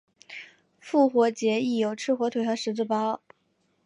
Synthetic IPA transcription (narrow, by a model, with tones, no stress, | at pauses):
fu˥˩xwɔ˧˥t͡ɕjɛ˧˥i˥˩jo˨˩ʊʈ͡ʂʰɻ̩˥˩xwɔ˧˥t̪ʰwe˨˩ɪjɑ˥ʊʂɻ̩˧˥t͡sɹ̩˥˩pɑ˥